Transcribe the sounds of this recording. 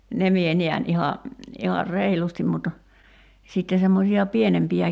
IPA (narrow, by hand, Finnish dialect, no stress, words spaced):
ne mie niæn ihɑ ihɑr reilustim mut sitːe semːosiɑ pienempiæ